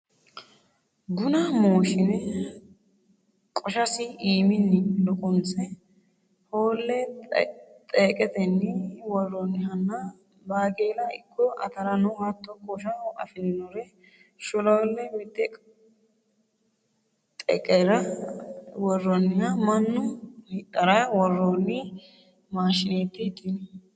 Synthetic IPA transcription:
ɡʊnɐmoːʃɪnɛ | kʼɔʃɐsɪʔiːmɪnːɪlɔkʼɔnsɛ | hoːlːɛ | t̪ʼeːkʼɛt̪ɛnːɪwɔrːɔnːɪɐnːɐ | baːɡeːlɐɪ̰kʰːɔʔɐ̰t̪ɐɾɐnʊhɐt̪ːɔkʼːoʃɐɐ̰fɪlɪnɔɾɛ | ʃʊlɔlːɛmɪt̪ʼːɛk | t̪ʼɛ̰kʼɛɾɐ | wɔrːɔnːɪhɐmɐnːʊhɪtːɐɾawɔrːonːɪ | maːʃɪnet̪ːɪt̪ʼːɪnɪ

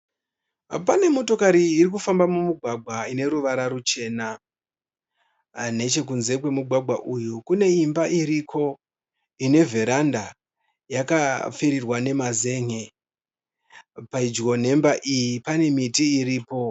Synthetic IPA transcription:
pane̞mo̞to̞kaɾiːrikufambamumuɡʱwaɡʱwaine̞ɾuʋaɾaɾut͡ʃe̞ːna | ne̞t͡ʃe̞kunze̞kwe̞muɡʱwaɡʱwaʔujukune̞imbaʔiɾikʰo̞ | ine̞vʱe̞ɾanda | jakafiɾirwane̞maze̞ŋe̞ | paid͡ʒɡo̞n̤e̞mbaʔijipane̞mitiːriːpo̞

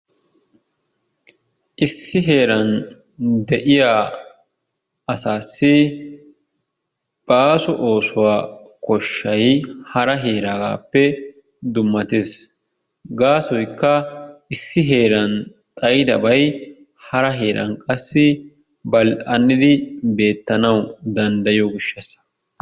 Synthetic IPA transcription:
ʔɪsːɪɦe̞ːɾɐn | d̪ɛʔɪjaː | ɐsaːsːɪ | b̥aːsʊʔo̞ːsʊwaːkɔʃːɐjhɐɾɐɦe̞ːɾaːɡa̰ːpːɛ | d̪ʊmːɐt̪eːs | ɡaːsɔjkːɐɪsːɪɦe̞ːɾɐn | t̪ʼɐjɪd̪ɐ̰bɐj | hɐɾɐɦe̞ːɾʔɐ̰nkʼɐsːɪ | bɐlɐnːɪd̪ɪbe̞ːt̪ːɐnɐwd̪ɐnd̪ɐjɔɡɪʃːɐs

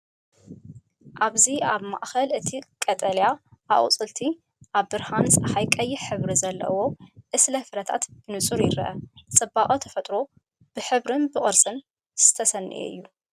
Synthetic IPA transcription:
ʔaβziaβma̰ʔxɐlɨt̪ʰikʼɐt̪ʼɐljaʔaʔʼt͡sʼɨlt̪ʰi | ʔaβbɨɾhansʼɐhajkʼɐjːɪħɨβɾizɐlːɐ̰wo̞ʔɨslɐfɨɾɐt̪ʰa̰t̪b̥ɨnɨt͡sʼuɾjɪɾɐ̰ʔɐt͡sʼɐbːakʼot̪ʰɐfɐt̪ʼɾo̞ | b̥ɨħɨβɾɨnbɨkʼɨɾsʼɨn | z̥ɨ̥t̪ʰɐsɐnːɨ̰ʔḛɨ̰jːu

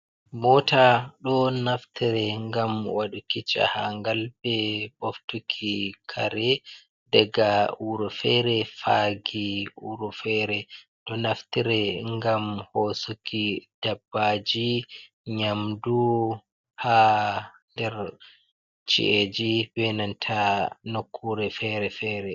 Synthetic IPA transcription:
mɔtaɗɔnaftiɾɛŋɡamwaɗukit͡ʃa̰haŋɡalbɛboftukʰikʰaɾɛ | dɛɡauɾɔfɛɾɛfaɡiuɾufɛɾɛ | ɗɔnaftiɾɛŋɡamhɔsukid̥abːad͡ʒi | ɲamdu | ha | ndɛɾ | t͡ʃḭʔed͡ʒibɛnantʰanokʰːuɾɛfɛɾɛfɛɾɛ

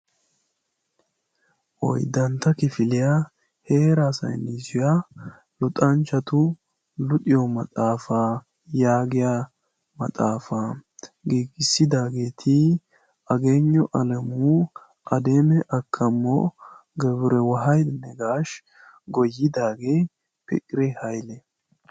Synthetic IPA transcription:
ʔɔ̰jd̪ɐnt̪ːɐkɪfɪlɪja | heːɾasɐ̰jnɪzʊja | lʊt̪ʼɐnt͡ʃɐt̪ʊ | lʊt̪ʼɪjɔmɐt̪ʼaːfa | jaːɡɪja | mɐ̰t̪ʼaːfaːɡiːɡɪsːɪd̪aːɡe̞ːt̪ʰɪ | ʔɐɡeːɲːɔʔɐlɛmuː | ʔɐd̪eːmɛʔɐkʰːɐmːɔ̰ɡɛβʊɾɛwɐɦɐjd̪nɛɡaːʃ | ɡɔjːɪd̪aːɡe | pɛ̰kʼːɪɾɛhɐjlɛ

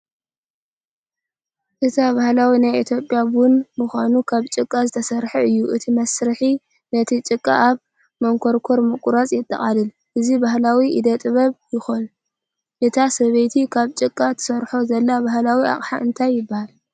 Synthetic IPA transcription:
ʔɨt̪ʰaβahlawinajit̪ʰjo̞pʼjabunmuxʷanukʰaβt͡ʃʼɨkʼːazɨt̪ʰɐsɐɾħɐɨjːuʔɨt̪ʰimɐsɾɨħi | nɐt̪ʰit͡ʃʼɨkʼːaʔaβ | mɐŋkʰo̞ɾkʰo̞ɾmɨkʼuɾat͡sʼjɪt̪ʼːɐ̰χʼalɨl | ʔɨzibaɦlawiʔid̪ɐt̪ʼɨβɐβjɪxon | ʔɨt̪ʰasɐβejt̪ʰikʰaβt͡ʃʼɨkʼːat̪ʰɨ̥sɐɾħozɐlːabahlawiʔa̰χʼħaʔɨnt̪ʰajːɪbːahal

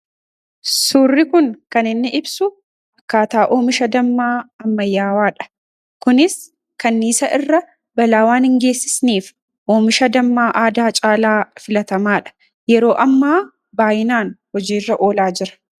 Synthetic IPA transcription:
suːrːɪkʊŋkɐnɪnːɪʔɪbsʊ | ɐkːaːt̪aːʔo̞ːmɪʃɐd̪ɐmːaːɐmːɐjːaːwaːᶑɐ̥ | kʊnɪs | kɐnːiːsɐʔɪrːɐ | bɐlaːwaːnhɪŋɡe̞ːsːɪ̥sniːf | ʔoːmɪʃɐd̪ɐmːaːʔaːd̪aːt͡ʃʼaːlaːfɪlɐt̪ɐmaːᶑɐ̥ | jɛɾo̞ːʔɐmːaː | baːjɪnaːnhɔd͡ʒiːrːɐʔo̞ːlaːd͡ʒɪɾɐ̥

